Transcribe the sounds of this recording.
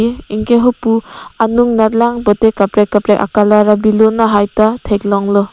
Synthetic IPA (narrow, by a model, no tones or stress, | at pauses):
iiŋkeɦɔpuanuŋnatlaŋbɔtekapɾekapɾeʔa̰kalaɾabilɔnaɦajtatʰeklɔŋlɔ